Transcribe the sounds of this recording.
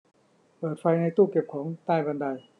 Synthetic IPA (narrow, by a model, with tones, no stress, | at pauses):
pɤː˨˩t̪̚fa˧jna˧jt̪uː˥˩ke˨˩p̚kʰɔː˩˦ŋt̪aː˥˩jba˧nda˧j